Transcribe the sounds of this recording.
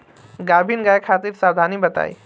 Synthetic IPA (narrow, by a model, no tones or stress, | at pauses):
ɡaːbʱinɡaekʰaːt̪iɾsaːd̪ʱaːnibɐt̪a̰ːḭ